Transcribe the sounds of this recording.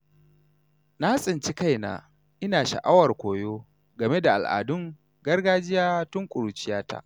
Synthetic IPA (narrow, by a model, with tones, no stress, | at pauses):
na˦ha˦sʼɪ˨nt͡ʃi˦ka˦jna̰ː˨ | ʔɪ˦naː˨ʃa̰˨ʔa˦wɐ˨rkʷoː˨joː˦ | ɡɐ˨me˦da˨ʔa̰˨lʔa̰ː˨dʊ˦ŋ | ɡɐ˦rɡaː˦d͡ʒɪ˦jaː˦tʊ˦ŋkʷʼʊ˨ɾu˨t͡ʃɪ˦jaː˦ta̰ː˦ʔ